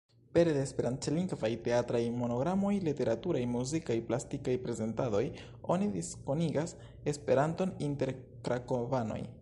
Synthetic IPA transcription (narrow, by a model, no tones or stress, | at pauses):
pe̞ɾlespeɾant͡ʃliŋɡvajte̞atɾajmo̞no̞ɡɾamo̞jlite̞ɾatuɾajmuzikajplastikajpɾe̞ze̞ntado̞j | o̞̰nidisko̞niɡas | espe̞ɾanto̞ninte̞ɾ | kɾakovano̞̰j